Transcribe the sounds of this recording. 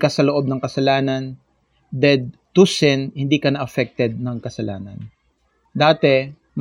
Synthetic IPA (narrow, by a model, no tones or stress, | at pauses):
kɐsɐloʔo̞b̚nɐŋkɐsɐlaːnɐn | d̪ɛd̪̚t̪usɛnhɪnd̪iːkɐnɐʔɐfɛk̚t̪ɛd̪̚nɐŋkɐsɐla̰ːnɐ̰n | d̪aːt̪ɛ | m